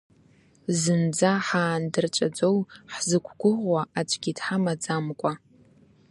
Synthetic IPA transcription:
zɨnd͡zaħaːndɨrt͡ʃʷʼad͡zowħzɨkʷʰɡʷʊʁʷwaʔat͡ʃʷʰʼɡʲidħamad͡zamkʷʼa

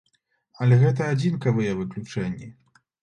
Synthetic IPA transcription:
ɐlʲɛɣɛt̪̬ɐad͡zʲinkɐvɨjɐvɨklʲut͡ʂɛnʲːi

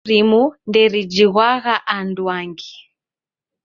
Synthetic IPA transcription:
ɾimundɛɾid͡ʒiɣwaɣaʔandwaŋɡi

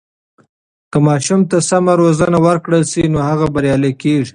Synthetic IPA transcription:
kəmɑʃumt̪asamaɾozanawəɾkɽəlsinohaɣabaɾjɑlekeʐi

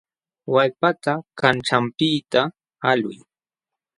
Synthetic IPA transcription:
wajpat̪akanʈ͡ʂampɪit̪a | alʊ̰j

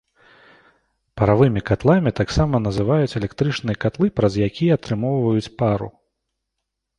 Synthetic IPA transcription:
pɐɾavɨmʲikat̪lˠamʲit̪aksamɐnɐzɨvajut͡sʲɛlʲɛkt̪ɾɨt͡ʂnɨjɐkat̪lˠɨpɾɐzjakʲijɛat̪ɾɨmɔwvɐjut͡sʲpaɾṵ

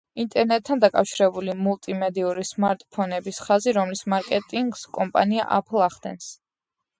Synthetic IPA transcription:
int̪ʼɛɾnɛt̪ʰːand̪akʼafʃiɾɛbulimulˠt̪ʼimɛd̪iuɾismaɾt̪ʼpʰɔnɛbisχaziɾɔmlismaɾkʼɛt̪ʼiŋɡskʼɔmpʼa̰nia̰ʔa̰pʰlˠaχd̪̥ɛ̰ns

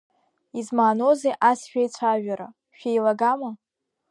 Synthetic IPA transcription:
izmaːnozejʔasʃᶣajt͡sʷʰaʒᶣaɾa | ʃᶣejlaɡama

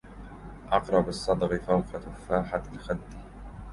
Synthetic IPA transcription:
ʔɑqɾˤɑbɑsˤːɑd̪ˤɣifawqat̪ʊfːaːħaalxad̪ːi

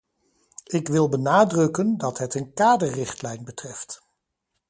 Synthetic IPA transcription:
ɪkʋɪlˠbənaːdrɵkəndɑtɦətənkaːdəɹrɪχtlɛjnbətrɛft

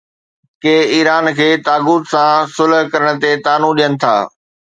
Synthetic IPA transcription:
keːiːɾaːnkʰeːt̪aːɡuːt̪sãsʊlɦkɐɾəɽ̃̆t̪et̪aːnũɗijənɪ̆t̪ʰa̰ː

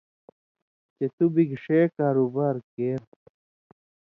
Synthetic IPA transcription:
t͡ɕet̪ubiɡʂeːkaːɾubaːɾkeːɾ

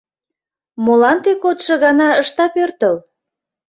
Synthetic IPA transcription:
molɑnt̪ekot̪ʃɤ̆ɣɑnɑəʃt̪ɑpørt̪əl

